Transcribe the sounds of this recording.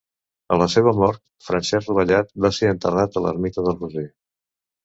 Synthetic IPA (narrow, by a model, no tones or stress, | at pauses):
ə̰ləseβəmɔɾt̪̚ | fɾənsɛzruβəʎat̪baseənt̪ərat̪ələ̰ɾmit̪əðəlˠruze